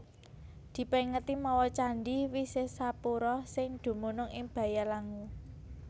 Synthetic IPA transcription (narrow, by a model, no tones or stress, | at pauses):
d̪̥i̤pɛŋət̪imɔwɔt͡ʃaɳɖiwisesapuɾɔsɪŋd̪̥ṳmunʊŋɪŋb̥ä̤jalaŋu